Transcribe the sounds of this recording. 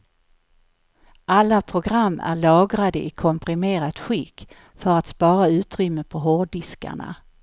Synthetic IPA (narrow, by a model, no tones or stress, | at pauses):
ʔalːapʰɾʊɡɾamːæ̰ɭɑːɡɾad̪əʔɪkʰɔmpʰɾɪmeːɾat̪ɧɪkː | fœɾat̪spɑːɾaʉ̟ːt̪ɾʏmːəpʰɔɦɔɖɪska̰ɳa̰